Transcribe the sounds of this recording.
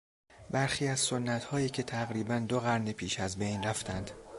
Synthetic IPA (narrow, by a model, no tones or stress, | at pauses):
bæɾxiːæzsonːæt̪hɒːiːcʰe̞t̪ʰæɣɾiːbænd̪oɣæɾnepʰiːʃæzbe̞jnræft̪ʰænd̪̥